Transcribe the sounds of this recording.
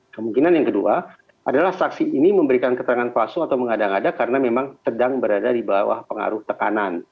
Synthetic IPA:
kəmuŋkinanjaŋkədua | ʔadalahsaksiiniməmbəɾikankət̪əɾaŋanpasuat̪awməŋadaŋadakaɾənamemaŋsədaŋbəɾadadibawa̰hpəŋa̰ɾʊht̪əkanan

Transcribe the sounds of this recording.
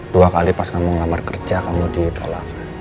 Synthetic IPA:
d̥uakalipaskamuŋlamarkərd͡ʒakamudit̪ʰo̰lak

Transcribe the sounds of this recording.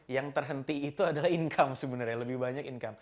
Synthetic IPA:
jaŋt̪ərɦənt̪iːt̪uadalahiŋkʰamsəbənarɲaləbɪhbaɲakiŋkam

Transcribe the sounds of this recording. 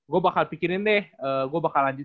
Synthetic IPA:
ɡuabakalpikiɾɪndɛhəːɡuabakalːaɲd͡ʒʊt̪

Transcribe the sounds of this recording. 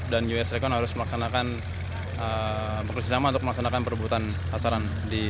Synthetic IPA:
dand͡ʒuɛsɾekɔnɦaɾʊsməlaksanakan | ə | bəŋkərsisamaunt̪ʊk̚məlak̚sanakanpərbuat̪an | sasaɾan | di

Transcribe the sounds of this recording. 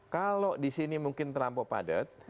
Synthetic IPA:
kalodisinimuŋkɪnt̪əɾampɔpa̰də̰t̪̚

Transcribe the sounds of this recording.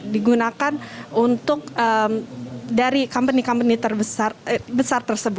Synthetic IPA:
diɡunakanunt̪ʊk̚ʔəmdaɾikampənikampənit̪ərbəsarbəsart̪ərsəbʊt̪

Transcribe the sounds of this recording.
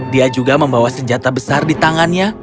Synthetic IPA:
diad͡ʒuɡaməmbawasəɲd͡ʒat̪abəsardit̪aŋanɲa

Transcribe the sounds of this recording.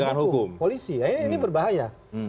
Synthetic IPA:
aahukʊmpolisiainibərbaɦaja

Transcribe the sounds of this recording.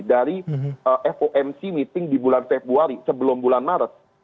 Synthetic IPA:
daɾiəʔɛfoʔɛmsimit̪ɪŋdibulanfebɾuaɾisəbəlʊmbulanːaɾət̪̚

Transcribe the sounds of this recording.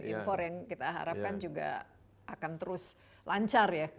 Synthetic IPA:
ʔḭmfɔrjaŋkit̪aɦa̰ɾap̚kand͡ʒuɡa̰ | ʔakant̪əɾʊs | lʔaɲt͡ʃarja

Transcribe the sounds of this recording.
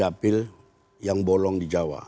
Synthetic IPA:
apil | jaŋbɔlɔŋdid͡ʒawa̰

